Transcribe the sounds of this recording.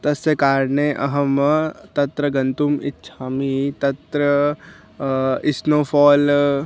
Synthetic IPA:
t̪ɐsjəkaːɾneʔɐ̰ɦəmt̪ɐt̪ɾəɡɐnt̪umɪt̪ːʃʰaːmit̪ɐt̪ɾə | ɪsnoːpʰɔːl

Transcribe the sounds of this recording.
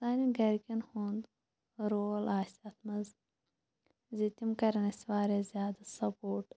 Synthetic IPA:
saːniɡɐɾkʲinhund̪ | ɾolaːsɐt̪mɐz | zit̪imkɐɾɐnɐswaːɾezjaːd̪ɐsɐpoːʈ

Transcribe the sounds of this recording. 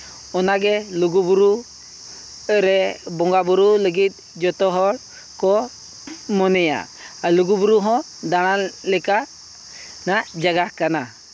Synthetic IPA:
ɔnaɡɛluɡubuɾu | ɾɛbɔŋɡabuɾuləɡit̪̚ˀ | d͡ʒɔt̪ɔɦɔɭ | kɔ | mɔnɛja̰ | aluɡubuɾuɦɔ̃ | d̪aɽ̃alɛka | naʔd͡ʒaɡahkana

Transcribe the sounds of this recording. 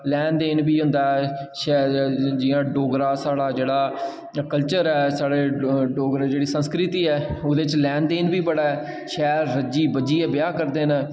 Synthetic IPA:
lɛːnd̪eːnbiːɦʊ̃nd̪aːɛʃɛd͡ʒɪːãːɖoːɡɾãːsaːɽaːd͡ʒeːɽaː | kəlt͡ʃəɾɛːsaːɽeːɖoːɡɾd͡ʒeːɽiːsə̃nskɾɪt̪iːɛːʊd̪et͡ʃlɛːnd̪eːnbiːbəɽaːɛː | ʃɛːɾːəd͡ʒiːbəd͡ʒiːɛːbɪjaːkəɾd̪eːn

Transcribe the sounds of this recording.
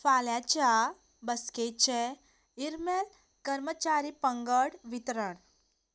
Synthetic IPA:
faːljat͡ɕa | bəsket͡ʃɛ | iɾmel | kəɾmət͡ʃaɾipəŋɡəɽʋit̪ɾəɳ

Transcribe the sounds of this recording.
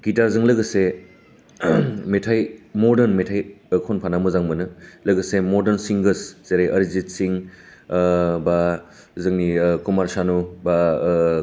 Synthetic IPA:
kitaɾzɯŋlɐɡɯse | metʰajmoɾdɐɾnmetʰajkʰonpʰanamɯzaŋmɯnɯlɐɡɐsemoɾdɐɾnsiŋɡɯsz̥eɾajʔɐɾizit̚siŋ | ba | zɯŋnikumaɾsanuba

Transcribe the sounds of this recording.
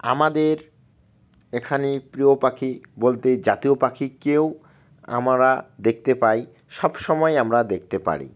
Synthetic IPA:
a̰mad̪eɾ | ekʰanepɾiopakʰibolt̪ed͡ʑat̪iopakʰikew | a̰mɾad̪ek̚ʰt̪epaj | ʃɔbʃɔmɔeamɾad̪ek̚t̪epa̰ɾḭ

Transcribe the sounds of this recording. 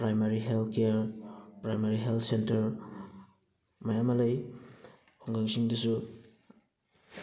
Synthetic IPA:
pɾajmaɾiɦeltkeɾpɾajmaɾiɦeltʰsentɐɾ | majamɐlaj | hɔŋɡaŋsiŋdusu

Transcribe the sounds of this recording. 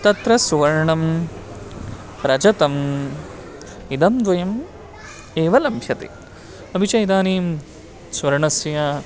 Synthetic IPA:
t̪ɐt̪ɾɐsuʋɐɾɳɐm | ɾɐd͡ʒɐt̪ɐm | id̪ɐmd̪ʋɐjɐm | eːʋɐlɐmpʰjɐt̪ḛ | ɐbʱit͡ʃɐjid̪aːniːm | sʋɐɾɳɐsja

